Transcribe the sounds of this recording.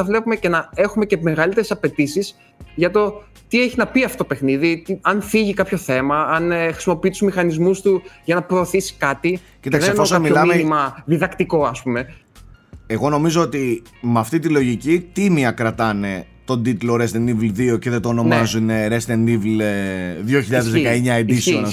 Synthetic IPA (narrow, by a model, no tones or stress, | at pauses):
ɐvle̞pume̞ce̞nɐe̞xume̞cemeɣɐlit̪eɾe̞sɐpe̞t̪isis | ʝɐt̪o̞ | t̪ie̞çinɐpiɐft̪ot̪opexniðit̪iɐnθiʝikɐpço̞θe̞mɐɐnxɾi̥simo̞pit̪uzmixɐnizmust̪uʝɐnɐpɾo̞ːθisi̥kɐt̪i | cit̪ɐkeseftosɐmilɐmmenimɐðiðɐkt̪iko̞ɐspume̞ | eɣo̞no̞mizo̞ot̪i | mɐft̪it̪̬ilo̞ʝicit̪imiɐkɾɐt̪ɐne̞ | t̪o̞nd̪it̪loɾest̪enivlðio̞ceðet̪oːno̞nmɐzuneɾest̪enivleðʝo̞çiʎɐððezðekɐeɲɐend̪iseon